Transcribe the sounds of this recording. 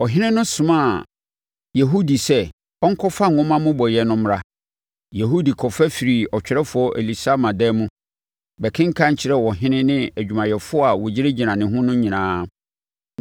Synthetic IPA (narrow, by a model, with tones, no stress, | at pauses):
ɔ˨ɦɪ̃˦nɪ̃˦nʊ̃˦sʊ̃˨mã˦˨ | jɛ˨ɦo˦di˨sɛ˦ | ɔ˦ŋ̩˦kʰɔ˦fa˦ŋ˨ʊ̃˦mã˦mʊ̃˦bɔ˨jɛ˨nʊ̃˦m˦ɾa˦ | je˨ɦo˦di˨kʰɔ˨fɛ˦fi˨ɾi˨ɔ˨t͡ɕᶣɾɛ˦fʊ˨˦ɔ˦ʔḛ˨li˨sa˦mã˨dɛː˦mũ˦ | bɛ˨kʰɪ̃˦ŋ̩˦kʰã˦ɲ̩˨t͡ɕʰɪ˨ɾɛ˦wɔ˨ɦɪ̃˦nɪ̃˦nɪ̃˦æ˨d͡ʑᶣu˨mã˨jɛ˨fʊ˦ɔ˦a˨wɔ˨d͡ʑɪ˦ɾe˦d͡ʑi˨nã˨nɪ̃˨ɦʊ̃˦nʊ̃˦ɲĩ˨nãː˨˦